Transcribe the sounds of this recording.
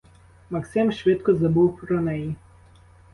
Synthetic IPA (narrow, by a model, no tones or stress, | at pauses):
mɐksɪmʃʋɪt̪kɔzɐbuwpɾɔnɛji